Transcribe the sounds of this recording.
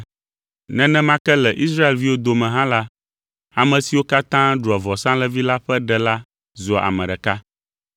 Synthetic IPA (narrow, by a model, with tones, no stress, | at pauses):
nɛ̃˦nɛ̃˦mã˦kɛ˦lɛ˨ʔi˦s̬ɾa˦e˨lvi˦wo˦d̪o˨mɛ̃˨ɦã˦la˦ | a˨mɛ̃˨si˨wo˦ka˦t̪ã˦ɖu˨a˨vɔ˨sã˦lɛ˦vi˦la˦ɸɛ˦ɖɛ˨la˦ | zɔ˨a̰˨mɛ̃˨ɖɛ˨ka˦